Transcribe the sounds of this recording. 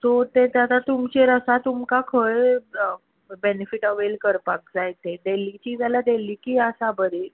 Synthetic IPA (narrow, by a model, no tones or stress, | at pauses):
t̪ot̪et̪jat̪at̪umt͡ɕeɾəsat̪umkakʰəɭ | benefiʈəʋelkəɾpak̚d͡zajt̪eɖelit͡ɕiːd͡zalad̪eliːkiːəsabəɾe